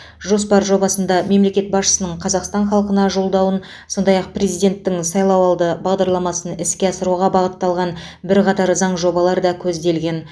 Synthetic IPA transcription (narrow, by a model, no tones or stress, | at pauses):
ʒuspɑɾʒo̞bɑsənd̪ɑme̞mle̞kʲe̞t̪̚bɑsʃə̥sənəɴqʰɑzɑqst̪ɑnχɑlˠqənɑʒo̞lˠd̪ɑwən | so̞nd̪ɑjɑq̚pre̞zijd̪ʲe̞nt̪ːɪŋsɑjlˠɑwɑlˠd̪əbɑʁd̪ɑɾlˠɑmɑsənɪskʲe̞ɑsəɾuʁɑbɑʁət̪ːɑlˠʁɑn | bɪɾqɑt̪ɑɾzɑɴʒo̞bɑlˠɑɾd̪ɑkʲʰɵzd̪e̞lɡʲe̞n